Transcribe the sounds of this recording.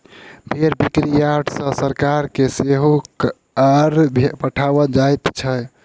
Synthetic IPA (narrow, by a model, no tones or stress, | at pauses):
bʱeɾbikɾijaʈsə̃səɾkaɾkeseɦok | əɾbʱpəʈʰabəd͡ʒajt̪t͡ʃʰə